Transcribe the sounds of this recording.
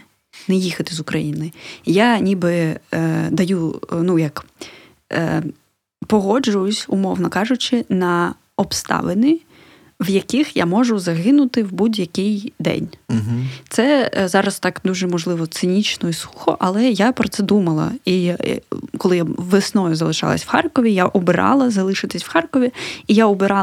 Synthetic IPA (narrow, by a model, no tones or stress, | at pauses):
nɛjixɐt̪ɪzʊkɾɐ̰jinɪjanʲibɪ | d̪ɐjunujɐk | pɔɦɔd͡ʒʊjʊsʲʊmɔwnɔkɑʒʊt͡ʃɪnɐ | ɔpst̪ɑ̰ʋɪnɪ | wjɐkɪxja̰mɔʒʊzɐɦɪnʊt̪ɪwbudʲjɐkɪjd̪ɛ̰nʲ | t̪sɛzɑɾɐst̪ɑkd̪uʒɛmɔʒlˠɪʋɔt̪sɪnʲit͡ʃnɔisuxɔ̰ʔɐlˠɛjapɾɔtsɛd̪umɐlˠɐ̰i | kɔlˠɪjaʋesnɔjʊzɐlˠɪʃɑ̰lˠɐ̰sʲwxɑrkɔʋʲijaʔʊbɪɾɑ̰lˠɐzɐlˠɪʃɪt̪ɪsʲwxɑrkɔʋʲiijaʊbɪɾɑ